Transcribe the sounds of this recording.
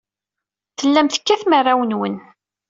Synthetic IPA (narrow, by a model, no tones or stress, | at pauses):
θəlːæmθə̥kːæθmərˤːawənwən